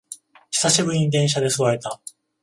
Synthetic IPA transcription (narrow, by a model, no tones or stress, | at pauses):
çi̥saɕibɯ̟ɾʲɲ̟iɲid̪ẽ̞ɰ̃ɕad̪e̞sɨβae̞t̪a